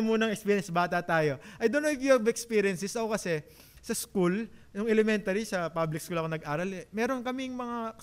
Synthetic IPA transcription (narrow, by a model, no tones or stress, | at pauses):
muːnɐŋɛkspiːɾjɛnsbaːt̪ɐt̪aːjo̞ʔɐjd̪onɛvjuɐbɛkspiːɾjɛnsɛsɐko̞kɐsɛ | sɐskuljʊŋɛlɛmɛnt̪ɐɾisɐpablɪk̚skulɐkonɐɡʔaːɾɐlɛmɛːɾo̞nkɐmɪŋmɐŋa